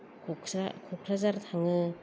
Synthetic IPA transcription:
akʰɔkʰɾazaɾtʰaŋɯ

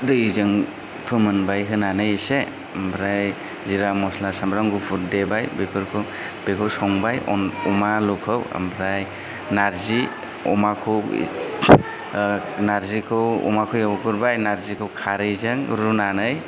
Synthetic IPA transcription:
dɯizɯŋ | pʰɯmɯnbajɦɯnanɯjɯse | mbʰɾaj | ziɾamɔslasambɾaŋɡupʰuɾdebajbepʰɯɾkʰɯw | bekʰɯwsɔŋbajɔ̰nɔmalukʰɯwa̰mbʰɾaj | naɾzi | ɔ̰makʰɯw̰ | naɾzikʰɯwɔ̰makʰɯwjawkɯɾbajnaɾzikʰɯwkʰaɾɯzɯŋɾunanɯj

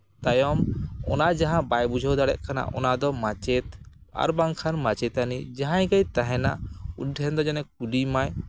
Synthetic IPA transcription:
t̪ajɔmɔ̰nad͡ʒaɦãbajbud͡ʒʱɔwd̪aɽɛʔ̚ˀkʰana̰ʔɔnad̪ɔmat͡ʃɛt̪a̰ɾbaŋkʰanmat͡ʃɛt̪anid͡ʒaɦãjɡajt̪aɦɛna̰ʔṵɛnd̪ɔd͡ʒanɛk̚uɖimaj

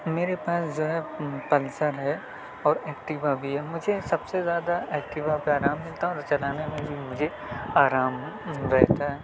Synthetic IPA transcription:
meːɾepaːsd͡ʒoːɦɛpɐlsəɾɦɛ | ɔːɾɛːkʈɪbabʱiɦɛmʊd͡ʒʱesɐbsezjaːd̪aʔɛːkʈɪbapeaːɾaːmːɪlt̪aɦɛɔːɾt͡ʃɐlaːnemẽbʱimʊd͡ʒʱe | aːɾaːmɾɛɦt̪aɦɛː

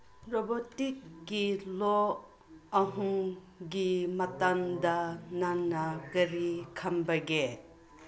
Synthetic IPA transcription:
ɾobotik̚ɡilo | ɐɦuŋ | ɡimɐtaŋdɐnanːɐkɐɾikʰɐmbɐɡe

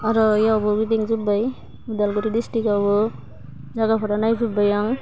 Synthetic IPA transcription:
aɾɔjabɔɡidiŋzubaj | udalɡɯɾidistikabɔ | zaɡapʰɔɾanajzubajaŋ

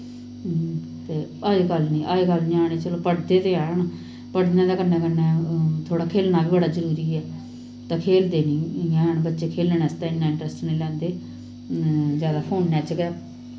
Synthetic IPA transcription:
t̪eː | aːekəlnĩːʔaːekəld͡ʒaːɽeːt͡ʃəloːpəɽd̪eːt̪eaːɳ | pəɽnẽːd̪aːkəɾnɛːkəɾnɛːt̪ʰoːɽaːkʰeːlnaːbiːbəɽaːzəɾuːɾiːɛː | t̪ãːkʰeːld̪eːnĩːjɛ̃ːɳbətːʃeːkʰeːlnɛːst̪ãːɪnːãːɪ̃ɳʈɾəsʈnĩːlɛ̃ːnd̪eː | zjaːd̪aːpʰoːnːɛːt͡ʃɡɛː

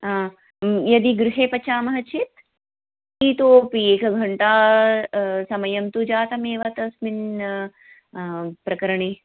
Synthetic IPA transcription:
ãː | jɐd̪iɡɾuɦeːpɐt͡ʃaːmɐɦɐt͡ʃʰit̪ | it̪oːpieːkɐɡʱɐɳʈaː | sɐmɐjɐmt̪ud͡ʒaːt̪ɐmeːʋɐt̪ɐsmin | pɾɐkɐɾɐɳiː

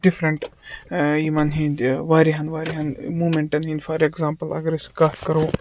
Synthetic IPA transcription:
ɖɪfɾɐɳʈ | jimɐnɦĩnd̪ʋaːɾiɦɐnʋaːɾiɦɐnmuːmẽɳʈɐnɦĩːnd̪fɐɾeɡzãːmpəlɐ̰ɡɐɾiskaːt̪kɐɾoː

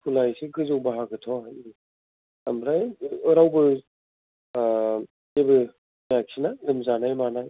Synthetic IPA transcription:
kʰulajseɡʰɯzɯwbaɦaɡɯtʰɔɦaji | amɾajɯɾawbɯ | zebɯ | mjaksʰinalɯmzanajmanaj

